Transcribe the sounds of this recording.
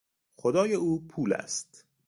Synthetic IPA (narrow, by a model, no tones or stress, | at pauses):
xod̪ɒːjeuːpʰuːlæ̰st̪